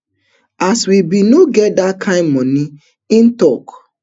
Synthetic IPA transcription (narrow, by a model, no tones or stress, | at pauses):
aswibinoɡɛt̚dakʰãɪ̃nmɔ̃ni | ĩntɔk